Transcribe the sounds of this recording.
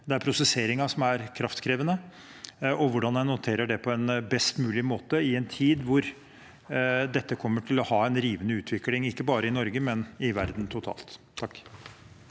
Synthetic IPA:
d̪ɛæɾpʰɾʊsɛseːɾɪŋɑsɔmæɾkʰɾɑft̪kʰɾeːʋənə | ʔɔʋʊɖɑnɛnnʊt̪ʰeːɾəɖɛpʰɔɛnbɛst̪mʉːlɪmoːt̪əɪɛnt̪ʰiːd̪ʋʊɾ | d̪ɛt̪ːəkʰɔmːəʈʰɪlɔhɑːɛnɾiːʋənəʉːt̪ʰʋɪklɪŋɪkːəbɑːɾəɪnɔɾɡəmɛnɪʋæɾd̪n̩t̪ʰʊt̪ʰɑ̰ːlt̪ʰːɑkː

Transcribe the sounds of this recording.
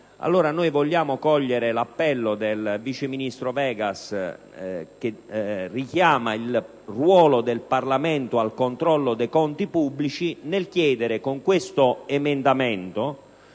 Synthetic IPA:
a̰lːoːɾanojvoʎːaːmokɔʎːeɾelapːɛlːod̪elvit͡ʃeminist̪ɾovɛːɡas | k̟erikjaːmail | rwɔːlod̪elparlamɛnt̪oalkont̪ɾɔlːod̪ejkɔnt̪ipubːlit͡ʃinelk̟jɛːd̪eɾɪkoŋkwest̪oemɛnd̪amɛnt̪o

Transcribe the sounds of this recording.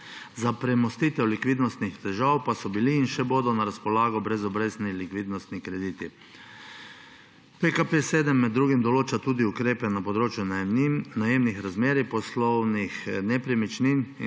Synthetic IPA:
zapɾɛmɔst̪iːt̪ɛwlikʋid̪nɔst̪nixt̪ɛʒawpasɔbiliːnʃɛboːd̪ɔnaɾaspɔlaːɡɔbɾɛzɔbɾeːznilikʋiːd̪nɔst̪nikɾɛd̪iːt̪i | pekapeseːd̪ɛmːɛd̪ːɾuːɡimd̪ɔloːt͡ʃat̪uːd̪iukɾeːpɛnapɔd̪ɾoːt͡ʃjunnajeːmnixɾazmeːɾipɔslɔwnixnɛpɾɛmit͡ʃnin

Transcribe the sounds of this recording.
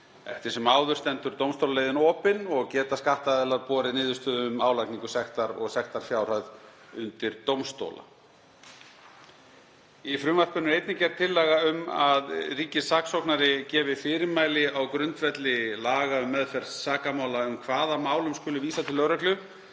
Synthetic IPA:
ɛ̰ft̪ɪɾ̥sɛmaːwðʏɾ̥t̪ɛnt̪ʏɾ̥t̪owmst̪owlalejðɪnɔːpɪnɔɣcɛːt̪askaht̪aðɛlaðpɔːɾɪnɪːðʏst̪ʏːðʏmaːwlajkniŋkʏ̥sɛxt̪aɾɔ̰ɣsɛxt̪aɾ̥fjaːwr̥œð | ʏnt̪ɪɾt̪owmst̪o̰wla̰ | ifɾʏmvar̥pʏnːʏejt̪nɪcɛɾt̪ʰːɪlːɛɣaʏmaðriːcɪsaksowknaɾɪcɛːvɪfɪːɾɪɾmaːjlɪawkɾʏnt̪vɛt̪lɪlaːɣaʏmːɛðfɛɾ̥saːkamaːwlaʏmkʰvaːðamaːwlʏmskʏlʏviːsat̪ʰɪlœɾœklʏ

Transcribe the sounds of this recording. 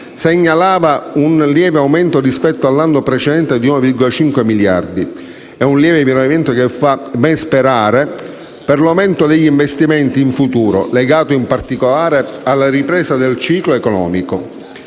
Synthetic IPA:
seɲːalaːvaunljɛːveawmɛnt̪orispɛt̪ːoalːanːopɾet͡ʃed̪ɛnt̪ed̪iunovirɡolat͡ʃiŋkwemilja̰rd̪i | ɛunljɛːvevinovamɛnt̪okefːabɛnspeɾaːɾe | perlawment̪od̪eʎːiɱvest̪imɛnt̪iːɱfut̪uːɾo̰leɡaːt̪oimpart̪ikolaːɾealːaripɾɛːsad̪elt͡ʃiːkloekɔnɔ̰ːmiko

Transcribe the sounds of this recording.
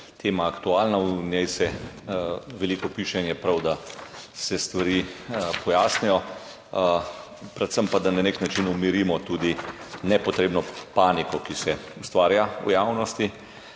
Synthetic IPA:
t̪ʰeːmaːkt̪uaːlnaunjɛjsɛ | ʋɛlikɔpiːʃɛnjɛpɾawd̪asɛst̪ʋaɾiːpɔjaːsnɛjɔ | pɾɛt̪səmpad̪ananeknat͡ʃinumiɾiːmɔt̪uːd̪inɛpɔt̪ɾeːbnɔpanikɔkisɛust̪ʋaːɾjaṵjawnɔst̪i

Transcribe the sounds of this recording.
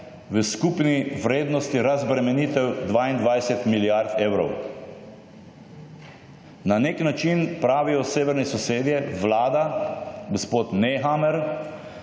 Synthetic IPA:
ʋəskupniʋɾeːd̪nɔst̪iɾazbɾɛmɛniːt̪ɛwd̪ʋaːind̪ʋajsɛt̪miljaɾt̪eːwɾɔ̰w | naneknat͡ʃinpɾaːʋijɔseːʋɛɾnɛsɔseːd̪jɛʋlaːd̪aɡospoːt̪nɛɦamɛɾ

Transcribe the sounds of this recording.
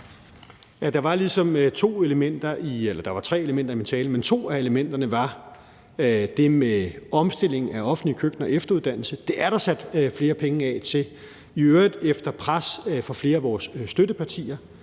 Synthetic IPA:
jæd̥ɑ̈ʋɑ̈lisɒ̽mt͡sʰo̝̰ːe̝ləmen̰d̥ɐʔielɐd̥ɑ̈ʋɑ̈t͡sʰʁɛ̰ːeləmen̰d̥ɐimint͡sʰɛːləment͡sʰo̝̰ːæe̝ləmen̰d̥ɐnəʋɑ̈ | d̥e̝meɒ̽msd̥e̝l̰e̝ŋ̩æɒ̽fn̩likʰøɡ̥n̩ɒ̽efd̥ɐuðˠd̥æn̰l̩səd̥e̝ʔæɐɾ̥ɑ̈sæd̥fle̝ːɐpʰeŋəɛt͡sʰe̝ | iøɐd̥efd̥ɐpʰʁasfɒ̽fle̝ːɐæʋɒːsːd̥ødəpʰɑ̈t͡sʰḭːɐ

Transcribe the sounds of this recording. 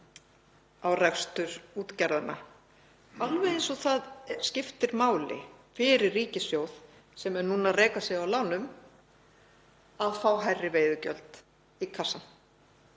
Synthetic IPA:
awrɛkst̪ʏɾuːt̪cɛɾðana | alvɛjensɔɣθaðscɪft̪ɪɾmaːwlɪ̰fɪɾɪɾriːcɪsjowð | sɛmɛɾnuːnareːjkasjɛɣawlaːwnʏm | aðfawɦajrːɪveːjðʏcœ̰lt̪ | ikʰasan

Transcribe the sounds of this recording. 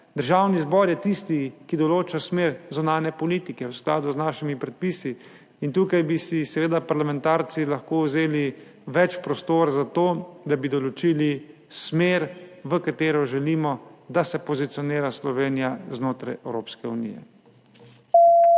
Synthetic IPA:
d̪əɾʒaːwnizbɔːɾjɛt̪ist̪ikid̪ɔloːt͡ʃasmeːɾzunaːnɛpɔliːt̪ikɛwskla̰ːd̪uznaːʃimipɾɛt̪̚pisiː | nt̪uːkajbisisɛʋeːd̪apaɾlamɛ̃nt̪aːɾt̪silaxkowzeːli | ʋɛt͡ʃpɾɔst̪oːɾzat̪oːd̪abid̪ɔlɔt͡ʃiːli | smeːɾʋəkat̪eːɾɔʒɛliːmɔd̪asɛpɔzit̪siɔneːɾaslɔʋeːnijaznoːt̪ɾajɛwɾoːpskɛunḭːjɛ̰

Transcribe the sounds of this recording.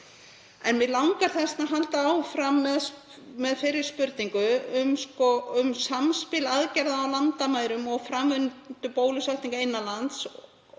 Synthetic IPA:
ɛ̰nmɪlawŋkaɾ̥θɛstnaɦalt̪aːwfɾamːɛð | mɛðfɪɾɪɾ̥spʏɾt̪niŋkʏʏmskɔʏmsamspɪlaðcɛɾðaːwlant̪amaːjɾʏmɔɣfɾaːmvʏnt̪ʏpoːwlʏsaht̪iŋkaɪnːalant̪s

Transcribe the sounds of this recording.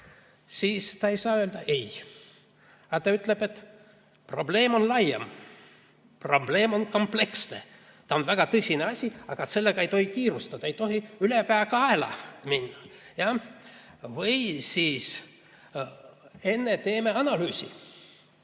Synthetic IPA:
siːst̪ɑe̞jsɑːøld̪ɑʔe̞j | ɑt̪ɑyt̪ˑleb̥e̞t̪ː | pro̞ble̞ːmo̞nlɑjem | pro̞ble̞ːmo̞nko̞mple̞ksne̞̰ | t̪ɑo̞nvæɡ̥ɑt̪ɤsʲineɑsʲiɑɡ̥ɑse̞lːeɡ̥ɑejt̪o̞hikiːɾust̪ɑd̪̥ɑejt̪o̞ɦiylepæeːɡ̥ɑɑelɑ̰minːɑjɑ | vɯjsiːs | e̞nːet̪e̞ːme̞ɑnɑlyːsʲḭ

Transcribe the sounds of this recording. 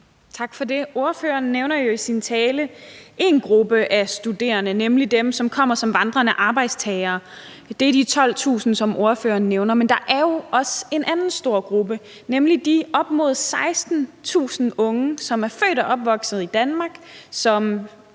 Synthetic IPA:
t͡sʰɑ̈ɡ̥fɒ̽de̝o̝ɐføːɐnːeʊnɐjo̝isint͡sʰɛːləʔe̝nɡ̥ʁub̥əʔæsd̥ude̝̰ːɐnənemlid̥emsɒ̽mkʰɒ̽m̰ɐsɒ̽mʋɑ̈nd̥ʁɐnæʔɑ̈ːb̥ɑ̈ɪ̰d̥st͡sʰɛːɪɐː | d̥e̝ɐd̥it͡sʰɒ̽l̰t͡sʰṵːsn̩sɒ̽mʔo̝ɐfø̰ːɐnːeʊnɐmend̥ɑ̈ʔæɐjo̝ɒ̽səe̝nʔænn̩sd̥o̝ɐ̰ɡ̥ʁub̥ə | nemlid̥iɒ̽b̥mo̝ð̞̩̰ˠsɑ̈ɪsd̥n̩t͡sʰṵːsn̩ɔ̽ŋəsɒ̽mæɐfø̰ːɾ̥æʔɒ̽b̥ʋɒ̽ɡ̥sð̩ˠid̥ænmɑ̈ːɡ̥sɒ̽m

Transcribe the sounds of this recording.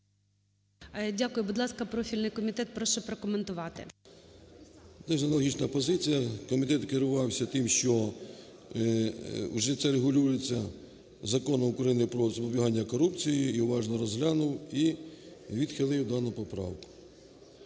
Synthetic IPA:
dʲakʊjʊbud̪lˠɑskɐpɾɔfʲilʲnɪjkɔmʲit̪ɛt̪̚pɾɔʃɛpɾɔkɔment̪ʊʋɑt̪ɪ̰ | d̪ɛʒɐnɐlˠɔɦʲit͡ʃnɐpɔzɪt͡sʲijɐkɔmʲit̪ɛt̪kɪɾʊʋɑwsʲɐt̪ɪmʃt͡ʃɔ | uʒɛt̪sɛɾeɦʊlʲujet͡sʲːɐ | zɐkɔnɐʊkɾɐjinɪpɾɔzɔbɔbʲiɦɑnʲːɐkɔɾupt͡sʲijiiʊʋɑʒnɔɾɔzɦlʲɑnʊwi | ʋʲid̪xɪlˠɪwd̪ɑnʊpɔpɾɑ̰wkʊ̥

